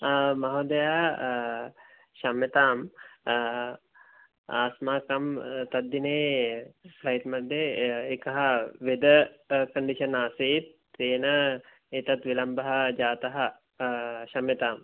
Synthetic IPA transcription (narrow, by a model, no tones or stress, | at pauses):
mɐɦod̪ɐja | ʃamjet̪aːm | aːsmaːkɐmt̪ɐd̪ːineː | plɐjt̪mɐd̪ːeːkɐɦɐʋed̪əkəɳɖiʃɐnaːset̪ | eːnə | et̪ɐt̪ʋilɐmbɐɦad͡ʒaːt̪ɐɦɐ | ʃamjet̪aːm